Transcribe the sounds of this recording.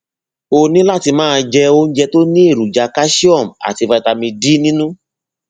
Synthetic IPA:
o˧nĩ˦la˦˨ti˧mãː˦˧d͡ʒɛ˧o˦n̩˦d͡ʒɛ˧to˦nĩ˦e˦˨ɾu˨d͡ʒa˨˧ka˦ʃi˦ɔ˦˨m̩˨a̰˨ti˧fa˧i˧ta˧mĩ˧di˦nĩ˦nũ˦

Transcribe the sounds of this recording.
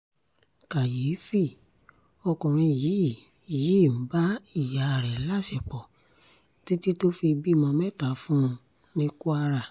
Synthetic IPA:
ka˨jeː˨˦fi˦˨ | ɔ˧kɔ̃˨ɾ̃ĩ˧˨ji˨˦˨ | ji˨˦˨m̩˨˦ba˦i˦˨ja˨˦˨ɾɛ˨˦la˦˨ʃɛ˨k͡pɔ˨ | ti˦ti˦to˦fi˧bi˦˨mɔ̃˧mɛ˦˨ta˨fũ˦˧ | nĩ˦ku˦a˧ɾa˦˨

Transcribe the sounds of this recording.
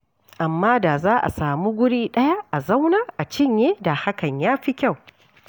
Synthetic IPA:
ʔa˨mːaː˦da˨zaː˦ʔa̰˨saː˨muː˦ɡʷʊ˦ɽiː˦ɗɐ˦ja˦ʔa˨za˦wnaː˦ʔa˨t͡ʃɪ˦ɲjeː˦da˨ha˦kɐ˨ɲjaː˦ɸi˦kʲa˦˨w

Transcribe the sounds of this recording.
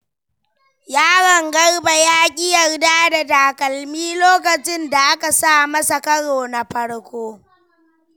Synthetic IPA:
jaː˦ɽɐ˨ŋɡɐ˦rba˨jaː˦kʲʼɪ˦jɐ˨rdaː˦da˨daː˨kɐ˨lmiː˦loː˦kɐ˨t͡ʃɪ˦nda˨ʔa˦ka˨saː˦˨mɐ˦sɐ˨kɐ˦ɽoː˨na˨ɸɐ˦ɽkʷoː˦

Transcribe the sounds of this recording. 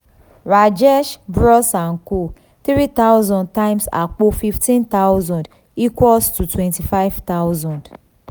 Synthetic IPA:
ɾa˨d͡ʒɛ˦ʃbɾɔ˦sa˨ŋ̩˨ko˦ | t̪ɾi˦t̪a˦ʊzɔ̃˨nd̚ta˦ɪ˦msa̰˨k͡po˦fi˦ftĩ˦nt̪a˦ʊzɔ̃˨nd | i˦kʷwɔ˦lstu˨twɛ̃˨nti˨fa˦ɪvt̪a˦ʊzɔ̃˨nd

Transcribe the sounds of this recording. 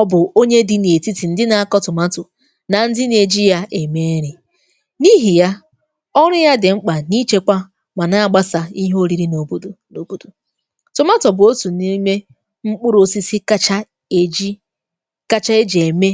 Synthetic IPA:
ɔ˦bʊ˨o˦ɲe˦dɪ˦n˨e˨ti˦ti˨n̩˨dɪ˦na˨a˨kɔ˦tʊ˨ma˦tʊ˨ | na˨n̩˦dɪ˦n˨e˨d͡ʒi˦ja˦ʔe˨me˦ɾi˨ | ni˦ɦi˨ja˦ | ɔ˦ɾʊ˦ja˦dɪ˨ŋ͡m̩˦k͡pa˨ni˦t͡ʃe˦kʷa˦ | ma˨na˦a˦˨ɡ͡ba˦sa˨i˦ɦo˦ɾi˨ɾi˦no˨bu˦du˨no˨bu˦du˨ | tʊ˨ma˦tɔ˨bʊ˨o˦tu˨ni˦me˦ | ŋ͡m̩˦k͡pʊ˦ɾo˦si˦si˦ka˦t͡ʃa˦ | e˨d͡ʒi˦ | ka˦t͡ʃa˦e˦d͡ʒe˨me˦

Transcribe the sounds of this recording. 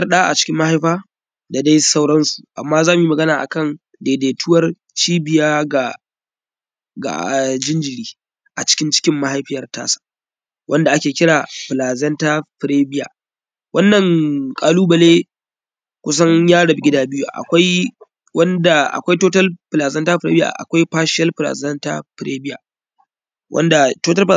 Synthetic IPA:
ɐ˦rɗaː˦ʔa̰˨t͡ʃɪ̥˦kʲɪ˦mːa˦ha˦jɸaː˦ | da˨da˦jsa˦wɽɐ˦nsu˨ʔa̰˨mːaː˦zaː˦mu˨jmɐ˨ɡɐ˦naː˨ʔa̰˨kɐ˦˨n | deː˨deː˨tʰʊ˦wɐ˦r | t͡ʃiː˦bɪ˨jaː˦ɡa˨ | ɡa̰˨ʔd͡ʒɪ˦nd͡ʒɪ˨ɽiː˦ | ʔa̰˨t͡ʃɪ̥˦kʲɪ˦nt͡ʃɪ̥˦kʲɪ˦mːa˦ɦa˦jɸɪ˦jɐ˨rta̰ː˦sḁ˨ | wʔɐ˦nda˨ʔa˦kʲeː˨kʲɪ˦ɽaː˨ɸɪ˨laː˨zɛ˦ntaː˦ɸɪ˨ɽeː˦bɪ˦ja̰ː˨ | wʔɐ˦nːɐ˨ŋkʼaː˨luː˦bɐ˨leː˦ | kʷʊ˦s̬ɐ˦ɲjaː˦ɽɐ˨bɪ˦ɡʲɪ˦daː˦bɪ˦ju˦˨ʔa̰˨kʷa˦j | wɐ˦nda˨ʔa̰˨kʷa˦jtoː˦tɐ˦lɸlaː˨zɐ˦ntaː˦ɸɾḛ˦bja̰ː˨ʔa̰˨kʷa˦jɸaː˦ʃɪ˦jɐ˦lɸɪ˨la̰ː˨zɐ˦nta̰˦ɸɪ˨ɾeː˦bɪ˦ja̰ː˨ | wʔɐ̰˦nda˨toː˦tɐ˦lp

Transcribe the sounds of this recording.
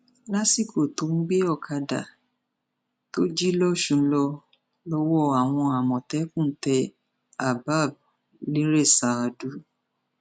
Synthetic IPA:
la˦si˦˨ko˨to˨˦n̩˦ɡ͡be˦ɔ˦˨kʰa˧da̰˨ | to˦d͡ʒi˦lɔ˦˨ʃũ˧˨˦lɔ˧ | lɔ˧wɔ˦˨a˨w̃ɔ̃˧a˨mɔ̃˨tɛ˨˦kũ˦˨˦tɛ˧ | a˨ba˦˨b̚ | lĩ˦ɾe˦˨sa˨a˨du˨˦

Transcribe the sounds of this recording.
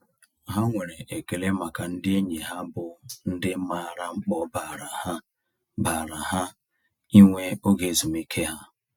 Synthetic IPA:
ɦa˦ŋʷe˨ɾe˨ʔe˨ke˨le˦ma˨ka˨n̩˦dɪ˦e˦ɲe˨ɦa˦bʊ˨n̩˦dɪ˦ma˨ɾa˦ŋ͡m̩˦k͡pɔ˦ba˨ɾa˨ha˦ | ba˨ɾa˨ha˦ | i˦ŋʷe˦o˦ɡe˦zu˨mi˦kʰe˦ɦa˦

